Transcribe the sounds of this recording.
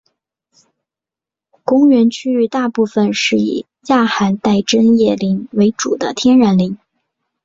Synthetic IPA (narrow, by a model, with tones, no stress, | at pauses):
kʊ˥ŋɥɛ˧˥nt͡ɕʰy˥y˧˥t̪a˥˧pu˥˩fə˩nʂɻ̩˥˩ḭ˨˩ | ja˥˩xa˧˥nt̪a˥˩ɪʈ͡ʂə˥njɛ˥˩li˧˥ŋwe˧˥ɪʈ͡ʂu˨˩d̪ə̰˦t̪ʰjɛ˥nɻa˧˥nli˧˥ŋ